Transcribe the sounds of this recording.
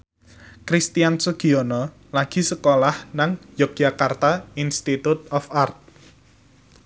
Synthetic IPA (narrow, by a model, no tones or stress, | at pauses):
kɾist̪iansuɡ̥iɔnɔ | laɡ̥i̤səkolahnaŋjɔk̚d͡ʒ̥ʒ̥a̤kart̪ainst̪it̪ut̪̚ɔfart̪̚